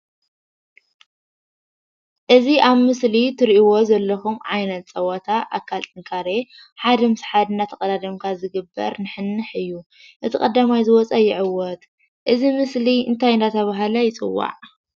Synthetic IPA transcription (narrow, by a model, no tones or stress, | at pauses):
ʔɨziʔaβmɨslit̪ʰɨɾʔiwo̞zɐlːɐxumʕajnɐt̪̚t͡sʼɐwɐt̪ʰaʔa̰kʰːalt̪ʰʼɨŋkʰaɾe | ħad̪ɐmɨsħad̪ɨnat̪ʰɐkʼɐd̪ad̪ɐmkʰazɨɡɨbːɐ̰ɾnɨħɨnːɨħɨjːu | ʔɨt̪ʰɨkʼɐd̪ːamajzɨwɔt͡sʼɐjɪʕɨwːɔt̪ | ʔɨzimɨsliɨ̰nt̪ʰajɨnd̪at̪ʰɐβaɦalɐjɪt͡sʼɨ̰wːa̰ʕ